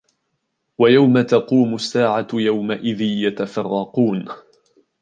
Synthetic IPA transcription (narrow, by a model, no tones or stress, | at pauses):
wajawmat̪ɑquːmʊsːaːʕajawmaʔɪðɪnjat̪afɑrˤːɑquːn